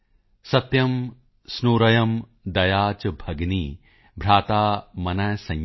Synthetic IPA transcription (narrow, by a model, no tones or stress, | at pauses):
sɐt̪jɐm | snuːɾɐjɐm | d̪ɐjaːt͡ʃɐbʱɐɡni | bʱɾaːt̪aːmɐnɐjsɐ̃ŋ